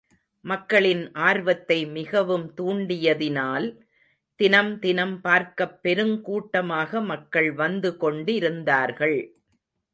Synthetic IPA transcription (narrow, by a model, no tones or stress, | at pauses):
mɐkːɐɭɪnʔaːɾʋɐt̪ːɐɪmɪɣɐʋɯmt̪uːɳɖɪjɐðɪnaːl | t̪ɪnɐmt̪ɪnɐmpaːɾkɐpːɛɾɯmkuːʈːɐmaːɣɐmɐkːɐɭʋɐnd̪ɯkɔɳɖɪɾɯnd̪aːɾɣɐɭ